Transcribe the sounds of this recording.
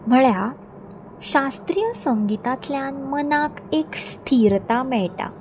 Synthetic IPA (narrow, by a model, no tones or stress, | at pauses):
m̤əɭja | ɕast̪ɾijəsəŋɡit̪at̪ljanmənakekst̪ʰiɾt̪amɛɭʈa̰